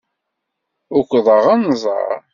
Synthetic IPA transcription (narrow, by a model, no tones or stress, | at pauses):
ʊkʷːðˤəʁanzˤɑ̰ɾˤ